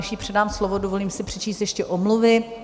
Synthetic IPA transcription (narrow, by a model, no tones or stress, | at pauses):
ʃiːpr̥ɛdaːmslovodovo̞liːmsɪpr̥ɛt͡ʃiːst̪jɛʃcɛʔomluvɪ